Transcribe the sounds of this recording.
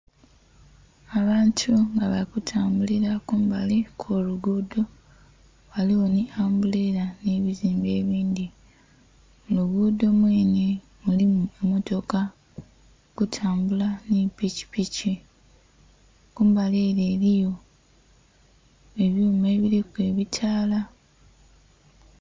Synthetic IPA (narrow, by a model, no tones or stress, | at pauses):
aβaːntʰuŋɡaβalikutʰaːmbuliɾakuːmbalikʰoːluɡuːdo̞ | βaliwo̞niaːmbuleɾaneβiziːmbe̞ːβiːnd̪i | muluɡuːdo̞mweːni | mulimuemoto̞ka | kutʰaːmbulanipici̥pici | kuːmbaleɾe̞ːɾijo̞ | e̞βjuːme̞ːβiɾikwe̞ːβitʰaːla